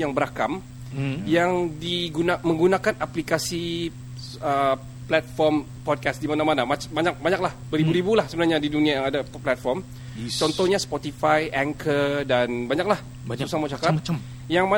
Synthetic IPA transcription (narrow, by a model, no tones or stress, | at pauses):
jaŋbəɾakam | jaŋdiɡunamə̃ŋɡunakanʔaplikasi | ə | plɛt̪̚fɔrm | pɔd̚kasdimanãmanamabaɲak̚baɲak̚lahbəɾibuɾibulahsəbənarɲadiduniajaŋadaplat̪̚fɔrm | t͡ʃɔnt̪ɔhɲaspɔt̪ifajʔɛŋkʰərdanbaɲak̚lah | usaŋmat͡ʃaka | jaŋma